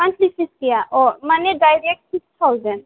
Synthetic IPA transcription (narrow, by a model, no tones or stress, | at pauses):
pãnt͡ʃlisiskijaʔɔːɾmaneɖajɾek̚ʈsikst̪ʰawzɛn